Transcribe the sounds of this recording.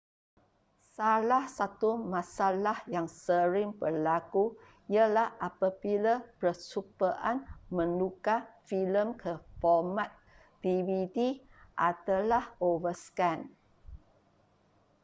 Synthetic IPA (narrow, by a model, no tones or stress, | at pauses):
salahsat̪umãsalahjaŋsəɾɪŋpəlaku | iəlahapabilapəsupəʔanmə̃nukafiləmkʰəfɔmat̪̚ | tiwidiʔat̪alahovəskan